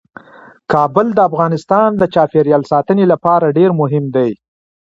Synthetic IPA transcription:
kɑbəld̪əafɣɑnɪst̪ɑnd̪ət͡ʃɑfeɾjɑlsɑt̪ənelapɑɾaɖeɾmʊɦɪmd̪aj

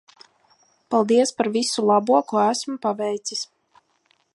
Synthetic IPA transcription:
palˠd̪iɛspaɾvisulˠɑbuɔkuɔæsmupavɛjt̪sis

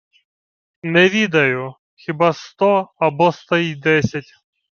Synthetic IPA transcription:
nɛʋʲid̪ɐjʊ | xʲibɑst̪ɔɐbɔst̪ɐjid̪ɛsʲɐtʲ

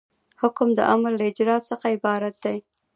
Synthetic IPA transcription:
hʊkʊmd̪ə̰ʔamalːaɪd͡ʒɾɑsəxaɪbɑɾat̪̚d̪aj

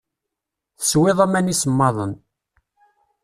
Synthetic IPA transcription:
θə̥swɪðˤæmænisəmːɑðˤən

